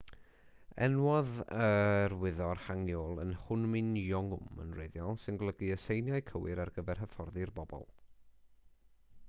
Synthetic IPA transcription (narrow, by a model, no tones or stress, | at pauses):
ɛ̰nwɔðərwɪðɔrhaŋjɔlˠənhʊnmɪnjɔŋʊmə̰nreðjɔlˠsɪnɡlˠəɡiəsejnjajkʰəwɪɾarɡəvɛrɦəfɔrðɪrbɔbɔ̰lˠ